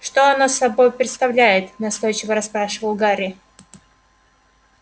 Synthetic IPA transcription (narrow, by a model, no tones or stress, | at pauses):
ʂt̪oɐnosːɐbo̞jpɾʲɪt̪st̪ɐvlʲæjɪt̪nɐst̪o̞jt͡ɕɪvəɾɐspɾaʂɨvəlˠɡaɾʲɪ